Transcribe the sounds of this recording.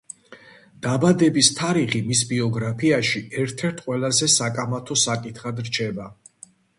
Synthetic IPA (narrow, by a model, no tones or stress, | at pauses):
d̪̥abad̪ɛbist̪ʰaɾiχimis̬biɔɡɾapʰiaʃiɛɾt̪ʰɛɾt̪ʰqʼwɛlazɛsakʼamat̪ʰɔsakʼit̪ʰχad̪ɾt͡ʃʰɛba